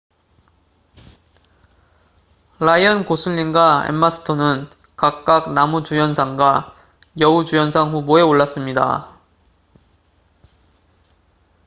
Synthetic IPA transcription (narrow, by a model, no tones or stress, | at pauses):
laiʌnkosʰuʎːinɡwaḛmːasʰɯ̥tʰonɯn | kak̚k͈ak̚namud͡ʑujʌnsʰaŋɡwa | jʌud͡ʑujʌnsʰaŋɸuboe̞oɭːas͈ɯmɲida̰